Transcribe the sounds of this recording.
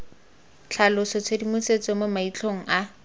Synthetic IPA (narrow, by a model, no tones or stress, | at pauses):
t͡ɬʰalʊsɔt͡sʰedimuset͡sɔmomait͡ɬʰoŋ̩ʔa